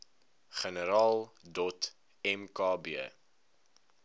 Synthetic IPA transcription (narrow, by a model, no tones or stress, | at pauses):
χənəɾɑːlˠdɔt | ɛmkɑːbiə